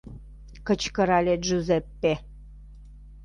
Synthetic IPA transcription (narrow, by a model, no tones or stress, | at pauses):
kə̆t͡ɕkə̆ɾɑlʲet̪ʒuzepːe